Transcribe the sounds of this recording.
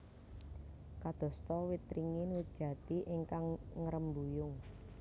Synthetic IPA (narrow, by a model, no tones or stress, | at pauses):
kad̪̥ɔ̤st̪ɔwit̪ɾiŋɪnwut̪̚d̥ʒ̥ä̤t̪iʔɪŋkaŋŋəɾəmbujʊŋ